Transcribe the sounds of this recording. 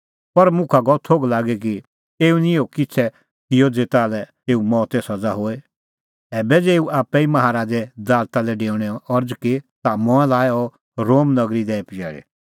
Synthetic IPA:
pɐɾmʊ̃kʰaɡɔt̪ʰoːɡlaːɡɛk̬i | eːunɪ̃jokɪt͡sʰɛ | t̪ɪjod͡zeːt̪aːlɛ | eːumɔːt̪ɛsɐd͡zaɦoːe | ɛːbɛd͡zeːuʔaːpːɛimɐɦaːɾaːd͡ʒɛd̪aːɾt̪alɛɖeːʊɽ̃ɛɔɾd͡zket̪amɔ̃ãlaːɛɔ | ɾoːmnɐɡɾid̪ɛːpɪd͡ʒɛ̰ːɽḛ

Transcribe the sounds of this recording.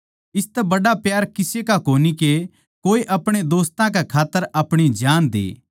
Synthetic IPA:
ɪst̪ɛbɐɽapjaːɾkɪsekakoːnike | koːeʔɐpɽ̃ed̪oːst̪ãkekʰaːt̪ːəɾɐpɽ̃id͡ʒaːnd̪ḛː

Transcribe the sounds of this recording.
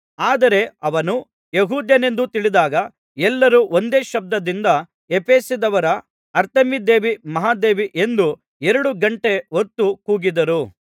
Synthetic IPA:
aːd̪ɐɾe̞ɐʋɐnu | jeɦuːd̪jɐne̞nd̪ut̪iɭid̪aːɡɐ | ɛlːɐɾuʔond̪e̞ːʃɐb̚d̪ɐd̪ind̪ɐ | epeːsid̪ɐʋɐɾɐ | ɐɾt̪ɐmid̪e̞ːʋimɐɦaːd̪e̞ːʋiʔe̞nd̪u | eɾɐɽuɡɐɳʈe̞ɦot̪ːukuːɡid̪ɐɾu

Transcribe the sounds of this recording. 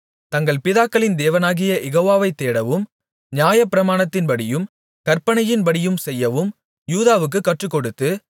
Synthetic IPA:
t̪ɐŋɡɐɭpɪðaːkːɐɭɪnd̪eːʋɐnaːɣɪjɐʔɛɣoːʋaːʋɐɪt̪ːeːɽɐʋɯm | nɪjaːjɐpːɪɾɐmaːɳɐt̪ːɪnpɐɽɪjɯm | kɐɾpɐɳɐjɪnpɐɽɪjɯmsɛjːɐʋɯm | juːðaːʋɯk̬ːɯkːɐʈrɯkːɔɽɯt̪ːɯ

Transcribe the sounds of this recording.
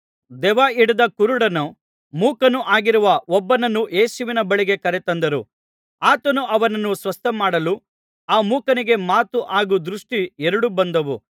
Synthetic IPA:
d̪ɛʋaːiɽud̪ɐkuɾuɽɐnu | muːkɐnuʔaːɡiɾuʋɐɔbːɐnɐnːuʔje̞ːsuʋinɐbɐɭiɡe̞kɐɾet̪ɐnd̪ɐɾu | aːt̪ɐnuʔɐʋɐnɐnːusʋɐst̪ʰɐmaːɽɐlu | aːmuːkɐniɡe̞maːt̪uʔaːɡud̪ɾuʂʈiɛɾuɽubɐnd̪ɐʋu

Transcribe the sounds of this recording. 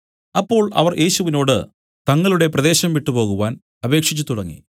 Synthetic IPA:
ɐpːo̞ːɭɐ̰ʋɐrjʔe̞ːɕuʋino̞ːɽɨ | t̪ɐŋːɐɭuɽe̞prɐðe̞ːɕɐmʋiʈːupo̞ːɣuʋaːn | ɐbe̞ːkʂit͡ɕːut̪uɽɐŋːḭ

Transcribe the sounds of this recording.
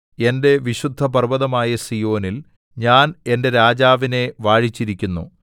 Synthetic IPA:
e̞nde̞ʋiɕud̪ʱːɐpɐrbɐðɐmaːjɐsijo̞ːnil | ɲaːne̞nde̞ɾaːd͡ʑaːʋine̞ʋaːɻit͡ɕːiɾikʲːunːṵ

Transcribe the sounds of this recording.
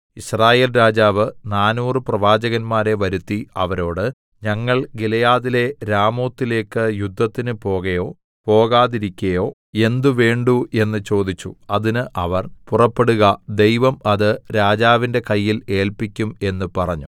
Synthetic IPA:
iɕraːjeːlɾaːd͡ʑaːʋɨnaːnuːrɨprɐʋaːd͡ʑɐɣɐnmaːɾe̞ʋɐɾut̪ːiɐʋɐɾo̞ːɽɨ | ɲɐŋːɐɭɡilɐjaːðile̞ɾaːmoːt̪ːile̞ːkːɨjud̪ʱːɐt̪ːinɨpo̞ːɣɐjo̞ː | po̞ːɣaːðiɾikʲːɐjo̞ː | e̞nd̪uʋe̞ːɳɖuʔe̞nːɨt͡ɕo̞ːd̪it͡ɕːṵɐðinɨʔɐʋɐrpurɐpːe̞ɽuɣɐd̪e̞jʋɐmɐðɨɾaːd͡ʑaːʋinde̞kɐjːile̞ːlpikʲːume̞nːupɐrɐɲːu

